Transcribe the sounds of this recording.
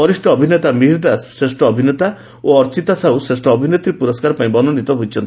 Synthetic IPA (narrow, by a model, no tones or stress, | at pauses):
pɔɾisʈɔːbʱinet̪amiɦiɾd̪asːɾesʈɔːbʱinet̪a | oɔɾt͡ʃit̪asausɾesʈɔːbʱinet̪iɾepuɾɔskaɾpaĩbɔnɔnit̪ɔɦojt͡ʃʰɔnt̪i